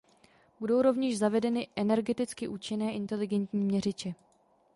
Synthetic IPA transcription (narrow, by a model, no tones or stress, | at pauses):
b̥udo̞wɾo̞vɲɛʃzavɛdɛnɪʔɛnɛɾɡɛt̪ɪt͡skɪʔuːt͡ʃɪnɛːʔɪnt̪ɛlɪɡɛnt̪ɲiːmɲɛrɪt͡ʃɛ